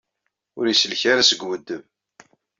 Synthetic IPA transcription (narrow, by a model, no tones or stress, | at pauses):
ʊɾjisəlçaɾasəɡwəd̪ːəv